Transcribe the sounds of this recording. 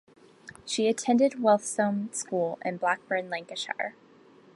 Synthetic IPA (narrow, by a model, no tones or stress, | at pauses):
ʃiɨtʰɛ̃ndɨd̚wɛlˠθsõʊ̃mskulˠɪ̰̃nblæk̚b̥ɜ̃˞nlæ̃ŋkɨʃɑ̰ɹ